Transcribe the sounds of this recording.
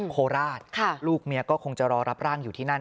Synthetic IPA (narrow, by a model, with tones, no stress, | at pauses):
kʰoː˧ɾaː˥˩t̪̚kʰa˥˩luː˥˩k̚mi˧ɐkɔː˥˩kʰo˧ŋt͡ɕa˨˩ʔɾɔː˧ɾa˦˥p̚ɾaː˥˩ŋjuː˨t̪ʰiː˥˩na˦˥˩